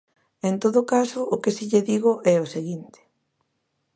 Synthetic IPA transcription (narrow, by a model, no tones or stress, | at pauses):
ent̪oðokasoːkesiʎeðiɣ̞oʔɛoseɣint̪e̥